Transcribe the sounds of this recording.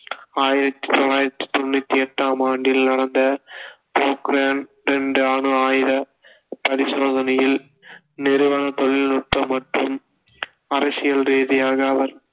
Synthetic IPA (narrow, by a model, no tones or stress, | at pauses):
aːjɪɾɐt̪ːi̥t̪ɔlaːjɪɾɐt̪ːi̥t̪ɔnːɯt̪ːiɛʈːaːmaːɳɖɪlnɐɽɐnd̪ɐ | poːkɾaːn | ɾɛɳɖɯaːɳɯaːjɪɾɐ | pɐɾɪsoːðɐnɐjɪl | nɛɾɯʋɐlɐt̪ɔɭːɪlnʊʈ̚pɐmːɐʈrɯm | ɐɾɐsɪjɐlɾeːðɪjaːɣɐɐʋɐɾ